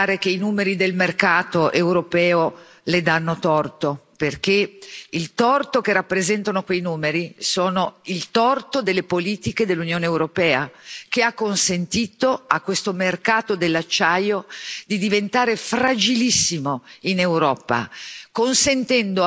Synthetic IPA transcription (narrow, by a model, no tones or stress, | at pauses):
ɾek̟einuːmeɾid̪elmerkaːt̪oʔewɾopɛːo | led̪anːot̪ɔrt̪operk̟eilt̪ɔrt̪okerapːɾezɛnt̪anokwejnuːmeɾisoːnoilt̪ɔrt̪od̪elːepoliːt̪iked̪elːunjoːneːwɾopɛːakeakːonsent̪iːt̪oakːwest̪omerkaːt̪od̪elːat͡ʃːajod̪id̪ivent̪aːɾefrad͡ʒilisːimoinewɾɔːpa̰konsent̪ɛnd̪o